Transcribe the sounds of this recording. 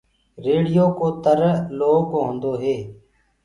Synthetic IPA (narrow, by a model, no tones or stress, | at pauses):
ɾeːɽɪjoːkoːt̪əɾloːkɦõnd̪oːɦeː